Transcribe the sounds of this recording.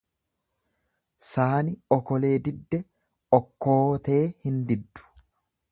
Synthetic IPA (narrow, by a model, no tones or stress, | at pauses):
saːnɪɔkɔle̞ːd̪ɪd̪ːɛ | ɔkːoːt̪e̞ːhɪnd̪ɪd̪ːʊ̥